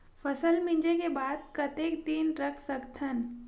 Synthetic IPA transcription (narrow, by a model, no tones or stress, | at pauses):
fəsəlmɪ̃ɲd͡ʒekebaːd̪̚kɐt̪eːk̚d̪iːnɾɐkʰsəkt̪ʰən